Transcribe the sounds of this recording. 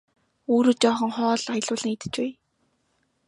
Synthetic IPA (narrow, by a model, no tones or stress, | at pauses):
oːɾoːt͡ɕɔːχɞ̆ŋχɔːɮajə̆ɮʊːɮə̆ŋit̪ɘ̥̆t͡ɕpæː